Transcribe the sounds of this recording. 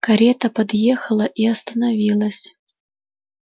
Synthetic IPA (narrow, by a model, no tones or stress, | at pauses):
kɐɾʲɛt̪əpɐd̪jeɛxəlˠəʔiɐst̪ənɐvʲilˠəsʲ